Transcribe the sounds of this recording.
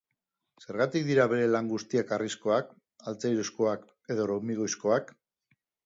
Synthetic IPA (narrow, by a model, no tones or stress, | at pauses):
se̞ɾɣat̪ikd̪iɾaβe̞ɾe̞laŋɡust̪iakarisko̞ak | alt͡sejɾusko̞ak | e̞ð̞o̞ɾomiɣ̞ojsko̞ak